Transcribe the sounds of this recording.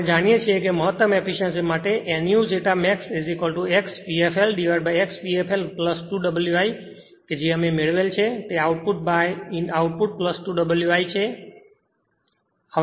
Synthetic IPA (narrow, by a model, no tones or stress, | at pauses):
d͡ʒaɽ̃ijet͡ʃʰiekeməɦət̪ːəmɛpiʃə̃nsmaʈeʔɛnijũd͡ʒeʈamɛksezikəlʈuekspiefʰelɖiʋaɽbajekspiepʰelpləsʈuɖəbəljuaj | ked͡ʒeəmemeɭʋelt͡ʃʰet̪eauʈ̚puʈ̚bajauʈ̚puʈ̚pləsʈuɖəbəljuajt͡ʃʰe | ə